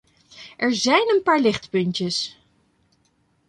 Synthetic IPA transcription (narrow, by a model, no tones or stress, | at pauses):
ʔɛɹzɛjnənpaːɹlɪχtpɵntəs